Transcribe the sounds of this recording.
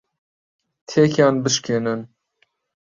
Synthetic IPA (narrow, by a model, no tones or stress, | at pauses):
t̪ʰekʰjɑːnbɨʃkʰenɨn